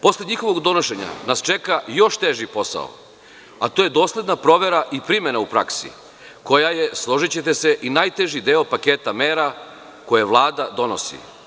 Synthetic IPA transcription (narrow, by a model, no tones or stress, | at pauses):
po̞sleɲixo̞ʋo̞ɡd̪o̞noʃe̞ɲa̰nast͡ʃekajo̞ʃt̪eʒipo̞sa̰o̰ | at̪oje̞d̪o̞ːslʲe̞d̪napɾo̞ʋe̞ɾaʔipɾime̞naupɾa̰ksḭ | ko̞jaje̞slˠo̞ʒit͡ɕe̞t̪eseʔinaːjt̪eʒid̪eːopakeːt̪ameːɾa | ko̞jeʋlˠaːd̪ad̪o̞no̞̰sḭ